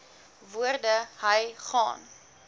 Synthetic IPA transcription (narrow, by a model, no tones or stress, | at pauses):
vuərdəɦəjχɑ̰ːn